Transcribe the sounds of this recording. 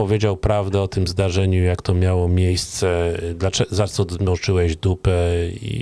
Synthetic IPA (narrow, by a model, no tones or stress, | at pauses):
ɔvʲjed͡ʑawpɾavd̪ɛɔt̪ɘmzd̪aʐɛɲujakt̪ɔmʲjawɔmʲejst̪sɛd̪lat͡ʂɛzat̪sɔd̪mɔt͡ʂɘwɛʑd̪upɛḭ